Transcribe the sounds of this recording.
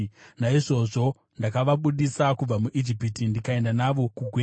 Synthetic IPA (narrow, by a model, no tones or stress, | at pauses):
naiʐo̞ʐo̞ | ndakaʋaɓuɗisakub͡vamuʔid͡ʒipitindikae̞ndanaʋo̞kuɡʱweː